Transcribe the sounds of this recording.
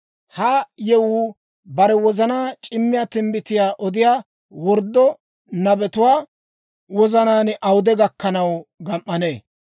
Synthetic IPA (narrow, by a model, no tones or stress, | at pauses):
hajɛwuː | bɐɾɛwɔzɐnaːt͡ʃʼɪmːɪjaːt̪ɪmbɪt̪ɪjaːʔɔd̪ɪjaː | wɔɾd̪ːɔ | nɐbɛt̪ʊwaː | wɔzɐnaːnʔɐwʊd̪ɛɡɐkːɐnɐwɡɐmʔːɐneː